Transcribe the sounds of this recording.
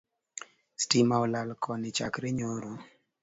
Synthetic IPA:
stimaɔlalkʰɔnɪt͡ʃa̰kɾeɲoɾo

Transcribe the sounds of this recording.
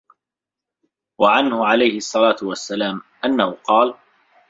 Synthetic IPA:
waʕanhʊʕalajhɪʔɑsˤːɑlaːt̪ʊwasːalaːmʔanːahʊqɑːl

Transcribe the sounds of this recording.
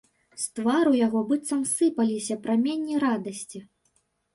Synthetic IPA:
st̪vaɾujaɣɔbɨt̪sɐmsɨpɐlʲisʲɐpɾamʲenʲːiɾad̪ɐsʲt͡sʲi

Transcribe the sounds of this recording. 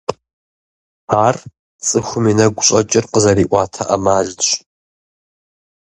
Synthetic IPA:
aːr | t͡sʼɨxʷʊmiːnɐɡʷʊɕʼɐt͡ʃʼɪrqəzɐɾiːʔʷɑːtʰɐʔɐmaːɮɕʷʼ

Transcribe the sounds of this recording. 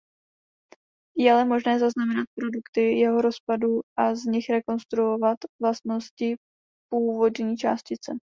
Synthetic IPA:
jɛalɛmo̞ʒnɛːzaznamɛnat̪̚pɾo̞dukt̪ɪjɛɦo̞ɾo̞spaduʔazɲɪxɾɛko̞nst̪ɾuo̞vat̪vlast̪no̞scɪ | puːvo̞dɲiːt͡ʃa̰ːscɪt͡sɛ

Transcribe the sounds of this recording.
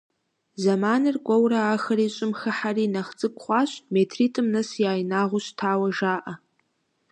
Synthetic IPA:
zamanɨrkʷʼawraːxɐriɕʷʼʊmxaħarinaχd͡zʼɨkʷʰʼχʷaʃʷʼmetʰritʰʼɨmnɨsjaːjnaʁʷʊʃtʰaːwaʒaːʔa

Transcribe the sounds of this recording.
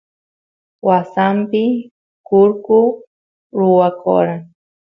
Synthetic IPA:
wasampɪ | kʊɾkʊ | ɾʊwako̰ɾaŋ

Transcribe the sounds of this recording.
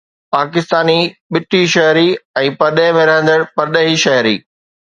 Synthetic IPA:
paːkɪst̪aːniɓɪʈʰiʃɐɦɾiɛ̃ːpɐɾɗẽmẽɾɐɦə̃nd̪əɽpɐɾɗəɦiʃɐɦɾḭː

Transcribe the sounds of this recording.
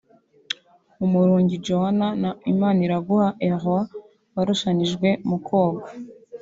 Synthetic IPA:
umuɾuːɲɟid͡ʒohananaimaniɾaɡuhaʔeʁwa | βaɾuʃaɲiʒɡwe̞mukʰoːɡa

